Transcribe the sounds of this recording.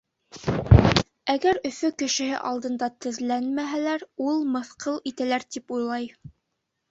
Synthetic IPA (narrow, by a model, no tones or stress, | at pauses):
æɡæɾɵ̆fɵkɘ̆ʃɘ̆hɘ̰ʔɑlˠd̪ɤ̆nd̪ɑt̪ɘ̆ðlænmæɦælæɾulˠmɤ̆θqʰɤlˠit̪ælæɾt̪ipujlˠɑj